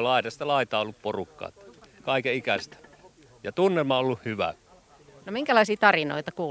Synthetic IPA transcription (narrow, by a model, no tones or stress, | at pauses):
lɑˑitɑst̪ɑlɑˑit̪ɑːolːupporukːɑ̰ːt̪kɑˑikeikæst̪ | jɑt̪unːelmɑolːuhhyʋæ̰ | nomiŋkælɑisiːt̪ɑrino̰it̪ɑkuː